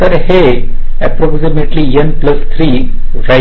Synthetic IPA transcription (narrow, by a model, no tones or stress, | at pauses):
ɐɾhe | ɛpɾɔksimeʈlijɐnplɐst̪ʰɾi | ɾa